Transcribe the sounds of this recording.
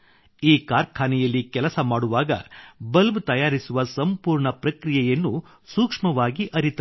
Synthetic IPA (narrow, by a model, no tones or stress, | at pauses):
iːkaːɾkʰaːnɛjɐlːikɛlɐsɐmaːɽuʋaːɡɐ̰bɐlbt̪ɐjaːɾisuʋɐsɐmpuːɾɳɐpɾɐkɾijɛjɐnːu | suːkʂmɐʋaːɡiʔɐɾit̪ɐ